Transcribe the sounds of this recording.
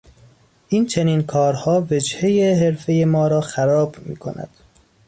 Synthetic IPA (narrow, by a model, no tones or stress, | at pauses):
ʔiːnt͡ʃʰeniːnkʰɒːɾhɒːved͡ʒhe̞jeɦeɾfejemɒːɾɒːxæɾɒːbmḭːkʰo̰næ̰d̪̥